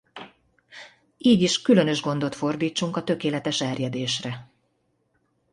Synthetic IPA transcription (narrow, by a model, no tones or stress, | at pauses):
iːɟiʃkylø̞nø̞ʒɡo̞nd̪o̞t̪fo̞rd̪iːt͡ʃːuŋkɒt̪ø̞keːlɛt̪ɛʃɛrjɛd̪eːʃrɛ